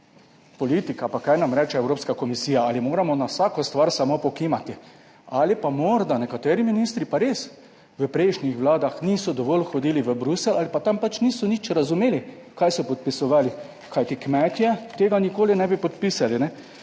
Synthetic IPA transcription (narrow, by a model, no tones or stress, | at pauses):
pɔliːt̪ikapakajnamɾɛːt͡ʃɛɛwɾoːpskakɔmisiːjaalimoːɾamɔnawsaːkɔst̪ʋaɾsamopɔkimat̪i | aːlipamɔɾd̪anɛkat̪ɛːɾiminist̪ɾipaɾeːs | ʋəpɾɛɪʃnʲixʋlaːd̪axniːsɔd̪ɔʋɔːlxɔd̪iːliʋəbɾusɛlʔalipat̪ampat͡ʃniːsɔnit͡ʃɾazumeːli | kajsɔpɔt̪̚pisɔʋaːli | kʰajt̪ikmɛt̪jɛt̪eːɡanikoːlinɛbipɔt̪pisalinɛ